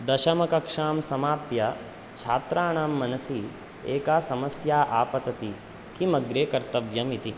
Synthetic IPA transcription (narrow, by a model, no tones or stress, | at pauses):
d̪ɐʃɐmɐkɐkʂaːmsɐmaːpjɐ | t͡ʃʰaːt̪ɾaːɳaːmːɐnɐsi | eːkaːsɐmɐsjaːʔaːpɐt̪ɐt̪i | kimɐɡɾeːkɐɾt̪ɐʋjɐmit̪i